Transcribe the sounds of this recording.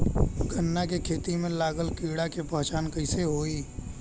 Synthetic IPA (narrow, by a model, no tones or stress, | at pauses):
ɡʱənːakekʰeːt̪imẽlaːɡəlkiːɽakepɐɦt͡ʃaːnkəɪseɦoːiː